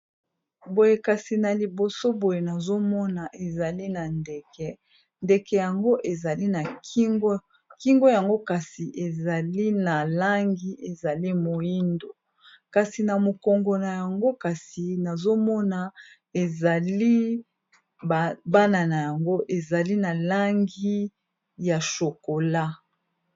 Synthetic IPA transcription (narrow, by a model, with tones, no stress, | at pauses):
bo˨je˨ka˨si˨na˨li˨bo˨so˦bo˨je˨na˨zo˦mɔ˦na˨ʔe˨za˨li˦na˨nde˨kɛ˨ | nde˨kɛ˨ja˨ŋɡo˦ʔe˨za˨li˦na˨ki˦ŋɡo˦ | ki˦ŋɡo˦ja˨ŋɡo˦ka˨si˨ʔe˨za˨li˦na˨la˦ŋɡi˨ʔe˨za˨li˦mo˨ji˦ndo˨ | ka˨si˨na˨mo˨kɔ˨ŋɡo˨na˨ja˨ŋɡo˦ka˨si˨na˨zo˦mɔ˦na˨ | e˨za˨li˦˨ | ba˦na˨na˨ja˨ŋɡo˦ʔe˨za˨li˦na˨la˦ŋɡi˦ | ja˨ʃo˨ko˨la˦